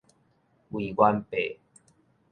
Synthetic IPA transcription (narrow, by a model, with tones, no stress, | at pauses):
wi˨˩kwa˦npe˨